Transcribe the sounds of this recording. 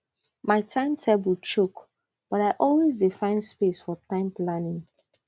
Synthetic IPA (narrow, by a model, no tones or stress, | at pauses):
maɪtʰãɪ̃mtʰɛbwit͡ʃok | b̥ɔɾaɪʔɔlwezdifãɪ̃nspesfɔtʰãɪ̃mplanĩŋ